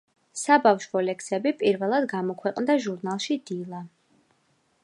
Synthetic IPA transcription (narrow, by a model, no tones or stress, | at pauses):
sabafʃvɔlɛksɛbipʼiɾvɛlˠad̪ɡamɔkʰwɛqʼnd̪aʒuɾnalˠʃid̪ilˠa